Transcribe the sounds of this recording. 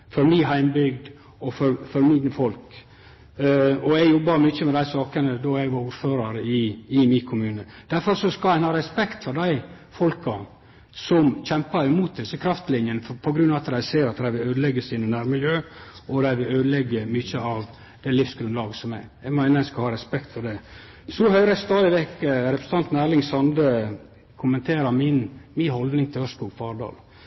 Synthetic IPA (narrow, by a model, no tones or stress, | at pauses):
fɔɾmiɦæɪmbʏɡd̪ | ɔfɔɾfɔɾmɪnəfɔlk | ɔɛɡjɔbːɑɾmʏçəmɛd̪æɪsɑːkənəd̪ɔɛɡʋɑɾuɾføːɾɑɾəɪɪmɪkʰʊmʉːnəd̪̥æɾfɔɾsɔskɑlæɪnhɑːɾɛspɛkt̪fɔɾdæɪ | fɔlkɑ | sɔmçɛmpəɾɪmuːt̪̚d̪ɪsəkʰɾɑft̪lɪnjənəpʰɔɡɾʉnɑːʋɑt̪d̪æɪseːɾɑt̪d̪æɪʋɪløːd̪əlɛɡːəsiːnənæɾmɪljøːʔɔd̪æɪʋɪløːd̪əlɛɡːəmʏçəɑʋ | d̪̥ɛlɪfsɡɾʉnlɑːɡəsɔmæɪɛɡmæɪnəæɪskɑhɑːɾɛspɛkt̪fɔɾɖɛ | sɔhœʏɾəst̪ɑːd̪ɪʋɛkːəɾɛpɾəsəɑnt̪n̩æːɾlɪŋsɑnd̪ə | kʰʊmənt̪ʰeːɾɑmɪnmɪnɦɔld̪nɪŋt̪ʰɪlhœskuːɡfɑːɖɑ̰ːl